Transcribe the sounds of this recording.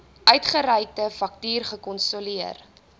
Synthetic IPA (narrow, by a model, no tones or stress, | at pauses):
ʔœɥtχəɾɛjk̚təfɐk̚tyːrχəkɔnsoliər